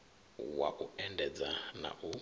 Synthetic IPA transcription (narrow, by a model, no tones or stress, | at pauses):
wa̰ʔuɛndɛd͡zana̰ʔu